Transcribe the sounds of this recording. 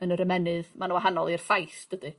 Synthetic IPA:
ənəɾəmɛnɨðmanuwaɦanɔlˠir̥fajθd̥ədɨ

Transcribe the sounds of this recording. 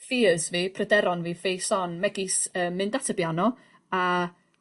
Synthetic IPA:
fiːəzviːpʰrədɛɾɔnviːfejsɔnmɛɡɪsəːmːɨndatʰəbjanɔ | a

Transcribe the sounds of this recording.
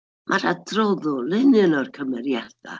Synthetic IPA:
mʔaɾadrɔðʊlɪnɨnɔrkʰəmɛɾjad̥a̰

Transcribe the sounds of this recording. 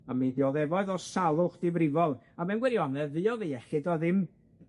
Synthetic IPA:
amiðjɔðɛvɔɨðɔsalˠʊχd̥ɪbrɪvɔlˠ | amɛnɡwɛɾiɔnɛðɨɔðiɛχɪdɔðɪm

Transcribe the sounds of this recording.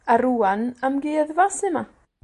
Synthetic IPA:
aɾuanamɡiːðvasɪma

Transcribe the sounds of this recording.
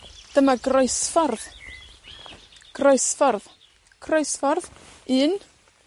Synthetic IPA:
d̥əmaɡroɨsfɔrð | ɡ̥rojsfɔrð | ɡ̥rojsfɔrðɨːn

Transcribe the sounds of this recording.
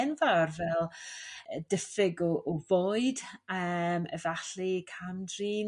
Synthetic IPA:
nvarvɛlˠədəfɪɡɔʔɔvɔɨdəmɛ̰vaɬikʰamdriːn

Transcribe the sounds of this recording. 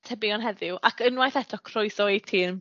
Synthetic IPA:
tʰɛbɪɔnɦɛðɪwʔakʰənwajθɛtʰɔkʰrɔɨθɔetʰiːn

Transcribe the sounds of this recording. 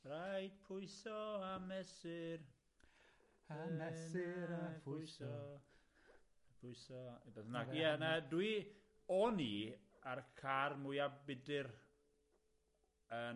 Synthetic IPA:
rajd̥pʰʊɨsɔamɛsɪr | amɛs | ʊsɔ | pʰʊjsɔibɛθənakɛnɛdwi | ɔni | arkʰarmʊjabɪdɪr | ə

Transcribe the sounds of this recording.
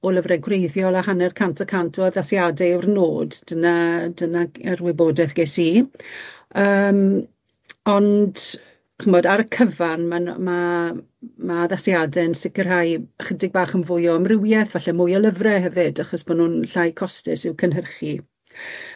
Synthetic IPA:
ɔləvrɛɡrejðjɔlˠahanɛrkʰantʰɔkʰantʰɔðasjadɛɪwrnoːdd̥ənadənaɛrwɪboːdɛθɡ̥eːsiː | əːm | ɔndʰ | əmɔdaɾəkʰəvanmama | maðasjadɛənsɪkərɦajχədɪɡ̚baːχənvʊjɔəmrɪwjɛθvaɬɛmʊjɔlˠəvrɛɦɛvɨdaχɔsm̥anuːnɬajkʰɔstɪsɪwkʰənɦərχi

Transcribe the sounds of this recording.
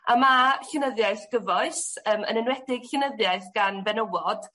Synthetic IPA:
a̰maɬɪnəðjaɨθɡ̥əvɔɨsəːmə̰nɪnwɛdɪɡ̥ɬɪnəðjaɨθɡ̥anvɛnəwɔd̥

